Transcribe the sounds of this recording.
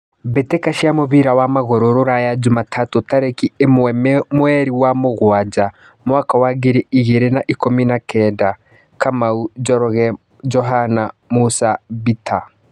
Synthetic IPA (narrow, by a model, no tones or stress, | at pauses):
bɛtekaʃiamoβiɾawamaɣoɾoɾoɾajad͡ʒumatʰatotaɾekiemmwɛɾiwamoɣwad͡ʒa | mwakawaɡeɾeiɣeɾenaʔikominakɛda | kamaud͡ʒɔɾɔɣɛ | d͡ʒɔɦanamusaβitʰa